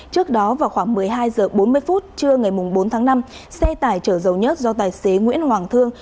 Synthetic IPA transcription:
t͡ɕɨ˦˥ək̚ɗɔ˨˦vaː˨˩wxwaː˧˩ŋmɨ˨˩əjɦaː˧jzəː˨˩ɓo˨˦nmɨ˧əjfu˦˥t̚t͡ɕɨ˧əŋa˨˩jmʊ˨˩ŋ͡mɓo˨˦nt̪ʰaː˨˦ŋna˧m | sɛ˧t̪aː˧˩jt͡ɕəː˧˩zə˨˩wɲə˦˥t̚zɔ˧t̪aː˨˩jse˨˦ŋwḭ˧˥ənhwaː˨˩ŋt̪ʰɨ˧əŋ

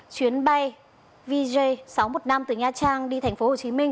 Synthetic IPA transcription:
t͡ɕwi˨˦ənɓa˧j | vi˧zə˧jsa˨˦wmo˨˩t̚na˧mt̪ɨ˧˩ɲaː˧t͡ɕaː˧ŋɗi˧t̪ʰɛ˨˩jŋ̟fo˨˦ho˨˩t͡ɕi˨˦mï˧ŋ̟

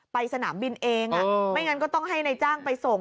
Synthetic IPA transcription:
pa˧jsa˧naː˩˦mbi˧nʔeː˧ŋa˧ma˥˩jŋa˦˧˥nk̬ɔː˥˩t̪ɔ˥˩ŋɦa˥˩jna˧jt͡ɕaː˥˩ŋpa˧jso˨˩ŋ

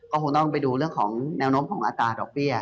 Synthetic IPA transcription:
kɔː˥˩o˨˧ŋt̪ɔː˥˩ŋpa˧jduː˧ɾɯ˥˩əŋkʰɔː˩˦ŋnɛː˦˥wnoː˦˥mkʰɔː˩˦ŋʔaː˧t̪ɾaː˧dɔː˨˩k̚bi˥˩ɐ

